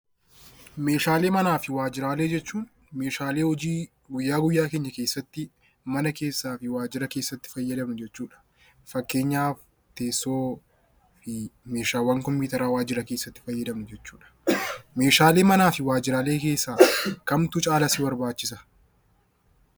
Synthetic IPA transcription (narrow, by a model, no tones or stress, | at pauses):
me̞ːʃaːle̞ːmɐnaːfɪwaːd͡ʒɪɾaːle̞ːd͡ʒɛt͡ʃːuːn | me̞ːʃaːle̞ːhɔd͡ʒiː | ɡʊjːaːɡʊjːaːkeːɲːɐkeːsːɐt̪ːɪ | mɐnɐke̞ːsːaːfɪwaːd͡ʒɪɾɐke̞ːsːɐt̪ːɪ̥fɐjːɐd̪ɐmnʊd͡ʒɛt͡ʃːuːᶑɐ̥ | fɐkːe̞ːɲːaːf | t̪e̞ːsːo̞ː | fɪmeːʃaːwɐŋkɔmpiːt̪ɐɾaːwaːd͡ʒɪɾɐke̞ːsːɐt̪ːɪ̥fɐjːɐd̪ɐmnʊd͡ʒɛt͡ʃːuːᶑɐ̥me̞ːʃaːle̞ːmɐnaːfɪwaːd͡ʒɪɾaːle̞ːke̞ːsːaːkɐmt̪ʊt͡ʃʼaːlɐsɪbɐɾbaːt͡ʃːɪsɐ̥